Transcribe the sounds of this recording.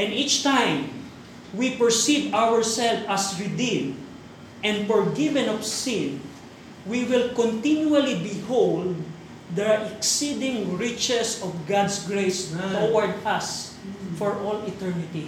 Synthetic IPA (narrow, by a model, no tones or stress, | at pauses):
ʔɛ̃nit͡ʃt̪ãjm | wipəɹsidawəɹsɛlfasɹɪd̪ĩn | ʔɛ̃nfɔɹɡɪvɛ̃nɔfsɪ̃n | wiwɪlkɔ̃nt̪ĩnjualibɪhowld̪̚ː | ɛʔɛksid̪ɪ̃ŋɹɪt͡ʃɛsɔfɡad̪sɡɹejsowaɹd̪as | fɔɹʔɔlɪt̪ɛɹnɪt̪i